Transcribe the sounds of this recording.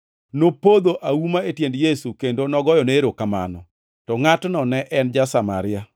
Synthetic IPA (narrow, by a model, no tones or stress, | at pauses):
nopod̪oʔawumaetjendjesukendonɔɡɔjɔneɾokama̰nɔ̰ | tɔŋatnɔnɛʔɛnd͡ʒasama̰ɾɪa